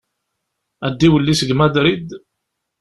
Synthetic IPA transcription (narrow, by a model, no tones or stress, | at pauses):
æd̪ːiwəlːisəɡmæd̪ɾid̪